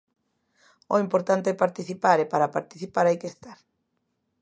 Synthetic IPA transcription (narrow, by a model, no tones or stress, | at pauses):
oimpoɾt̪ant̪epaɾt̪iθipaɾepaɾapaɾt̪iθipaɾajkest̪aɾ